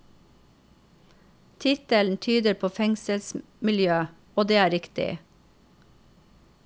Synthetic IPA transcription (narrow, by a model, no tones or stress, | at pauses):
t̪ʰɪt̪əln̩t̪ʰyːd̪əɾpʰoːfɛŋsəls | mɪljøː | oːd̪eːæːɾɪkt̪ɪ̰